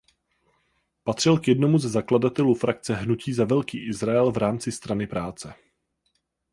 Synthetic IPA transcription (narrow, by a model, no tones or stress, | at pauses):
pat̪r̝̥ɪlkjɛdno̞muzɛzakladat̪ɛlufɾak̚t͡sɛɦnuciːzavɛlkiːʔɪzɾaɛlvɾaːmt͡sɪst̪ɾanɪpɾaːt͡sɛ